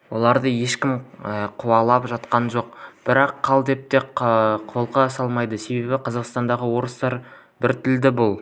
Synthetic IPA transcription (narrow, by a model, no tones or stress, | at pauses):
wo̞lˠɑɾd̪əje̞ʃkʲɪməqʰʊwɑlˠɑpʒɑt̪qɑnʒo̞q̚b̥ɪɾɑqʰːɑlˠd̪e̞p̚t̪e̞qʰo̞lˠqɑsɑlˠmɑjd̪əse̞be̞bɪqʰɑzɑqst̪ɑnd̪ɑʁəwo̞ɾəst̪ɑɾ | bɪɾt̪ʰɪld̪ɪbʊlˠ